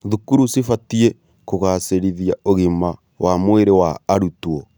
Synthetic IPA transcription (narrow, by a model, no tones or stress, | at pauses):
ðukuɾusifatie | koɣaseɾiðijaoɣima | wamweɾewaːɾutwɔ